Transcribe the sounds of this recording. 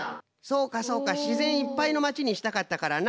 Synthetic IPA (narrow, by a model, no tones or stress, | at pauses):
so̞ːkaso̞ːkaɕizẽ̞ɰ̃ipːaino̞mat͡ɕiɲ̟iɕi̥t̪akat̪ːakaɾan